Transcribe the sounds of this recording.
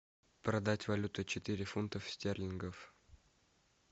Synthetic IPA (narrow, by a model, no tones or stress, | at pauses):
pɾɐd̪atʲvɐlʲut̪ɨt͡ɕɪt̪ɨɾʲɪfunt̪əfsʲtʲerlʲɪnɡəf